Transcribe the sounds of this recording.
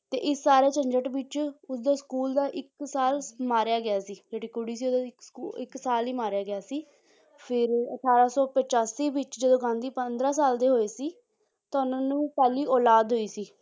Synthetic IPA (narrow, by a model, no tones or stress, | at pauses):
t̪ḛːʔɪsːaːɾeːt͡ʃəɲd͡ʒəʈʋɪt͡ʃʊsd̪aːskuːld̪aːʔɪksaːlmaːɾjaːɡɪaːsiːd͡ʒeːʈiːkʊɽiːsiːʊsuːɪksaːliːmaːɾjaːɡɪaːsiː | pʰɪɾə̰ʈʰaːɾaːsɔːpət͡ʃaːsiːʋɪt͡ʃd͡ʒəd̪õːɡãːnd̪iːpənd̪ɾãːsaːld̪eːɦoːeːsiː | t̪aːʊnãːnũːkaːliːʔɔːlaːd̪ɦoːiːsiː